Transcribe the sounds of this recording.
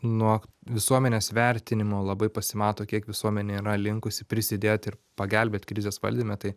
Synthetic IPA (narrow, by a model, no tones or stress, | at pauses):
nuɔʋʲɪsuɔmʲɛnʲeːsʋʲɛɾʲt̪ʲɪnʲɪmoːlˠɐbɐɪpɐsʲɪmɑːt̪oːkʲiɛkʋʲɪsuɔmʲɛnʲeiːɾɐlʲɪŋkʊsʲɪpʲɾʲɪsʲɪd̪ʲeːt̪ɪɾpɐɡʲɛlʲbʲeːt̪ʲkɾʲɪzʲeːsʋɐ̰lʲd̪ʲimʲɛt̪ɐɪ